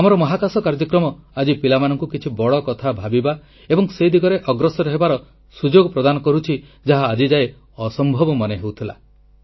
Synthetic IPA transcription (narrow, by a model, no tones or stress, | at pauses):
amɔɾɔmɔɦakasɔkaɾd͡ʒɔkɾɔmɔad͡ʒipilamanɔŋkukit͡ʃʰibɔɽɔkɔt̪ʰabʱabiba | ebɔŋsejd̪ʱiɡɔɾeʔɔɡɾɔsɔɾɔɦebaɾɔ | sud͡ʒoɡɔpɾɔd̪anɔkɔɾut͡ʃʰi | d͡ʒaɦaːd͡ʒid͡ʒae | ɔsɔmbʱɔbɔmɔneɦewt̪ʰila̰